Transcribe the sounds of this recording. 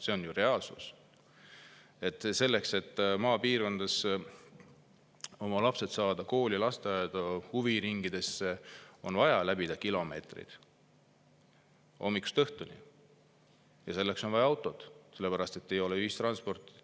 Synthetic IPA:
se̞o̞njure̞ɑlsṵs | e̞t̪ːˑse̞lːe̞kse̞t̪ːˑmɑːpiːrko̞nd̪̥ɑs | o̞mɑlɑpse̞t̪sɑːd̪̥ɑko̞ːlʲilɑst̪eɑɑd̪̥huviɾiŋɡ̥id̪̥e̞sːe̞o̞nvɑjɑlæbid̪̥ɑkilo̞me̞̰ːt̪rḭd̪̥ | ʔo̞̰mːikːu̥st̪ɤht̪unḭ | jɑse̞lːe̞kso̞nvɑjɑɑwt̪ːˑo̞d̪̥se̞lːe̞pæɾɑst̪et̪ːe̞jo̞le̞yhist̪rɑnspo̞rt̪ːˑi

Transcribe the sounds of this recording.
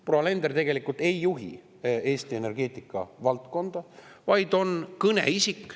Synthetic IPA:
proːɑle̞nd̪ert̪e̞ɡ̥e̞likult̪e̞jːuɦḭ | e̞ːst̪ie̞ne̞rɡ̥e̞ːt̪ˑikːˑɑ̰vɑlt̪ko̞nd̪̥ɑ | vɑjd̪̥o̞nkɤne̞̰isikːˑ

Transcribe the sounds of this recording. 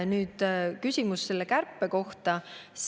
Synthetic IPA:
nyːd̪̥kysʲimusse̞lːekærpːe̞ko̞ht̪ɑs

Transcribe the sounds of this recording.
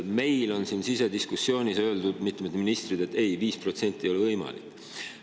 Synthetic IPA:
me̞jlo̞nsinsise̞d̪iskusːjo̞ːnʲisø̞ld̪ud̪mit̪ːˑmed̪minist̪rid̪̥e̞t̪ːe̞jviːspro̞t̪se̞nʲt̪ʲːˑiejoevɤjmɑ̰lḭkːˑ

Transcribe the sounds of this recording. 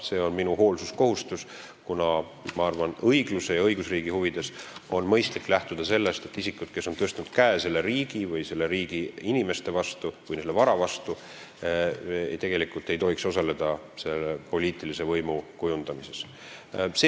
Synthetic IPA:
se̞ːo̞nminuho̞ːlsusko̞hust̪us | kunɑ | mɑɑrvɑnɤ̞jɡluse̞jɑɤjɡ̥usriːɡ̥ihuvid̪̥e̞so̞nmɤ̞jst̪likːlæht̪ud̪ɑse̞lːe̞st̪e̞t̪ːisikːˑud̪̥̚ke̞sːo̞nt̪ɤst̪nud̪̥kæese̞lːeɾiːɡ̥ivɯjse̞lːe̞ɾiːɡ̥iinime̞st̪e̞vɑst̪uvɯjnselːevɑɾɑvɑst̪u | t̪e̞ɡ̥e̞likˑult̪ːe̞jt̪o̞ɦiksosɑle̞d̪̥ɑ | se̞lːepo̞liːt̪ˑilise̞vɤ̞jmukujund̪̥ɑmise̞s | se

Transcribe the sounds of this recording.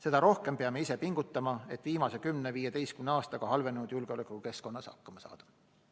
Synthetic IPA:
se̞d̪̥ɑɾo̞hke̞mpeɑme̞isepiŋɡ̥ut̪ˑːɑmɑe̞t̪ːˑviːmɑse̞kymneviːjet̪e̞jskymneɑːst̪ɑɡ̥ɑhɑlve̞nenud̪̥julɡ̥eolekːˑuke̞sko̞nːɑshɑ̰kːˑɑmɑsɑ̰ːd̪̥ɑ̥

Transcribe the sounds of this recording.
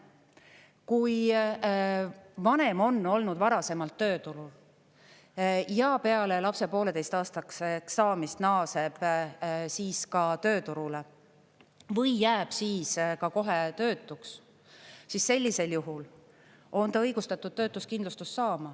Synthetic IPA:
kuj | vɑne̞mo̞nːo̞lnud̪vɑɾɑse̞mɑlt̪ːøːt̪uɾul | jɑpe̞ɑle̞lɑpse̞po̞ːle̞t̪e̞jst̪ɑːst̪ɑkseksɑːmist̪nɑːse̞b̥ | siːskɑt̪ø̞ːt̪uɾule̞ | vɤjːæːb̥siːskɑko̞ɦe̞t̪ø̞ːt̪ːˑuks | sisse̞lʲːise̞ljuɦul | o̞nt̪ɑɤjɡust̪ɑt̪ːˑud̪̥̚t̪ːø̞ːt̪ːˑuskind̪lust̪usːɑːmɑ

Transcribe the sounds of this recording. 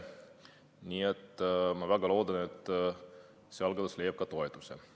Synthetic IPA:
nʲiːet̪ːmɑvæɡɑlo̞ːd̪ɑne̞t̪ːˑ | seɑlɡɑd̪ɑsle̞jɑp̚kɑt̪o̞et̪usḛ

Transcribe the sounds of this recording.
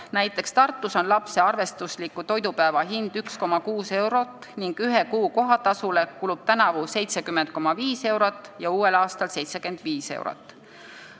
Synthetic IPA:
næjt̪ːˑe̞kst̪ɑrt̪ˑːuso̞nlɑpse̞ɑrve̞st̪uslikːut̪o̞jd̪upæevɑɦind̪̥yksko̞mɑkuːse̞wɾo̞t̪ːˑniŋɡ̥yɦekuːko̞ɦɑt̪ɑsule̞kulub̥̚t̪ænɑvusejt̪se̞kymːent̪̚ko̞mɑviːse̞wɾot̪ːˑjɑuːe̞lɑːst̪ɑlse̞jt̪se̞ke̞nd̪̥viːse̞̰wɾo̰t̪ˑː

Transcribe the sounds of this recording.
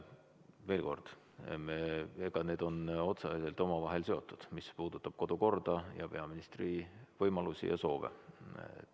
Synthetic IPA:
ve̞ːlko̞rd̪̥ | meeɡ̥ɑne̞ːd̪o̞no̞t̪sɑiselt̪o̞mɑvɑɦe̞lse̞o̞t̪ːˑud̪̥mispuːd̪ut̪ːˑɑb̥ko̞d̪̥uko̞rd̪̥ɑjɑ̰pe̞ɑminist̪rivɤjmɑlusḭjɑ̰so̞ːvḛ

